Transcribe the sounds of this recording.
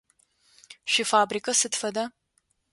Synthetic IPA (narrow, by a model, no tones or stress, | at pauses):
ʃifaːbriːkʼɐsɨtfɐdaː